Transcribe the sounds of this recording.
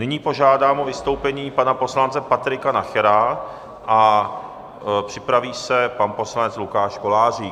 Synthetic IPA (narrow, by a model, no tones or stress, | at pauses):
nɪɲiːpo̞ʒaːdaːmʔovɪst̪o̞wpɛɲiːpanapo̞slant͡sɛpat̪ɾɪkanaxɛɾa | ʔa | pr̝̥ɪpɾaviːsɛpanpo̞slanɛt͡slukaːʃkolaːr̝iː